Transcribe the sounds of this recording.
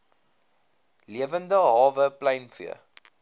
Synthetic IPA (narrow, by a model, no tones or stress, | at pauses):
liəvəndəɦɑːvəplɛjnfyə̰